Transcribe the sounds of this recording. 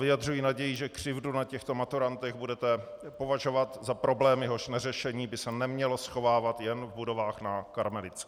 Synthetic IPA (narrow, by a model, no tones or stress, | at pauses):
vɪjadrujiːnaɟɛjɪʒɛkr̝̥ɪvdunacɛxt̪o̞mat̪uɾant̪ɛɣbudɛt̪ɛpo̞vaʒo̞vat̪zapɾo̞blɛːmjɛɦo̞ʃnɛrɛʃɛɲiːbɪsɛnɛmɲɛlo̞sxo̞vaːvat̪jɛnvbudo̞vaːxnakaɾmɛlɪt͡sk